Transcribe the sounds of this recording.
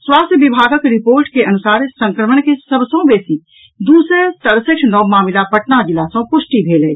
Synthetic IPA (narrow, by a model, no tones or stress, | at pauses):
swaːst̪ʰjəbɪbʱaːɡəkɾɪpoːɾʈkeʔɐnʊsaːɾsə̃ŋkɾəməɳkesəbsõbeːsi | d̪uːset̪əɾsekʃʰnɔːmaːmɪlapəʈnad͡ʒɪlaːsõpʊʃʈibʱeːleː